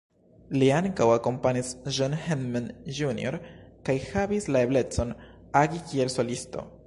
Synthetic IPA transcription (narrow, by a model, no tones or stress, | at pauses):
liaŋkawako̞mpanisʒonhenmanʒunḭo̞̰ɾkajhavislae̞ble̞t͡so̞n | aɡikie̞lso̞listo̞̰